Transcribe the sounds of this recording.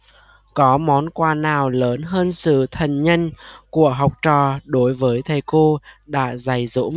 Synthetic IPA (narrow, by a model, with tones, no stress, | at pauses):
kɔ˨˦mɔ˨˦nkwaː˧˩naː˨˩wləː˨˦nɦəː˧nsɨ̰˧˨t̪ʰə˨˩nɲə˧nku˧˩əɦa˨˩wk͡p̚t͡ɕɔ̰˧˩ɗo˨˦jvəː˨˦jt̪ʰə˨˩jko˧ɗa̰ː˧˥za˨˩jzṵ˧˥ŋ͡m